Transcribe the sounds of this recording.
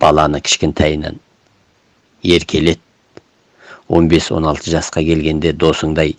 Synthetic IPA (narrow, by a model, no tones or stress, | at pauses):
b̥ɑlˠɑnəkʲʰɪ̥ʃkʲɪnt̪ʰæjnæ̰n | je̞ɾkʲʰe̞le̞d̪̚ | wo̞̰nbe̞swo̰nɑlˠt̪ʰəʒɑsqɑkʲʰe̞lɡʲe̞nd̪e̞d̪o̞səɴd̪ɑj